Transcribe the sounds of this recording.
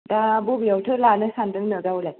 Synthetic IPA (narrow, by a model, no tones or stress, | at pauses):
dabobijawtʰɯlanɯsandɯŋnɯɡawlaj